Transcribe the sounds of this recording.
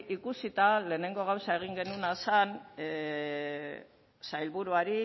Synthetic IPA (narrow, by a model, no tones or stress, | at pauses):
ʔikusit̪ale̞ːne̞ŋɡo̞ɣ̞awsae̞ɣ̞iŋɡe̞nunasan | sajlβuɾuaɾi